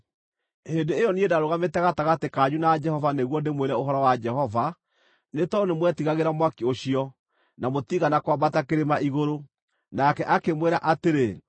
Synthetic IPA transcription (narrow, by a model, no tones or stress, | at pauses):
hendeːjɔniedaɾoɣametɛɣataɣatekaɲunad͡ʒɛhɔvaneɣwɔdemweɾɛoɦɔɾɔwad͡ʒɛɦɔva | netɔonemwɛtiɣaɣeɾamwakeoɕiɔ | namotiɣanakwabatakeɾemaʔiɣoɾo | nakɛʔakemweɾaʔateɾe